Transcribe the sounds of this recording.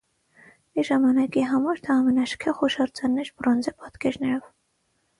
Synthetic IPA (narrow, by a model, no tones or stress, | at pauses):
miʒɑmɑnɑkiɦɑmɑɾt̪ʰɛɑmɛnɑʃkʰɛχɔʃɑɾt͡sʰɑnːɛɾprɔnd͡zɛpɑt̪kɛɾnɛɾɔv